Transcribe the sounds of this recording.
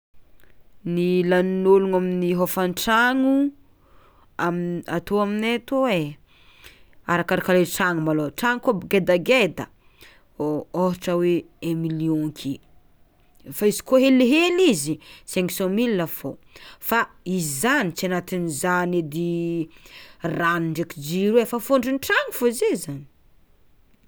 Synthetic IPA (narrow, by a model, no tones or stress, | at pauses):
nilannoluŋaminiɦofanʈ͡ʂaŋu | ama̰t̪oaminet̪owe | a̰ɾakaɾakaleʈ͡ʂaŋumaloʈ͡ʂaŋkobɡed̪aɡed̪ə̰ | ooɦʈ͡ʂəwe | emiliõkʰi | faizi̥koɦeleɦelizisɛŋksɔ̃milːafofa | izizanit͡sianat̪inizaned̪i | raniɳɖ͡ʐekid͡ʒiɾuwefafoɳɖ͡ʐunʈ͡ʂaŋifozezani̥